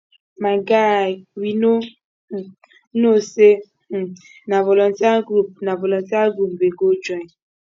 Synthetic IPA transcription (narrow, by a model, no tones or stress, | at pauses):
maŋɡawino | nose | navɔlɔntaɡɾup̚navɔlɔntaɡɾupbeɡod͡ʒɔ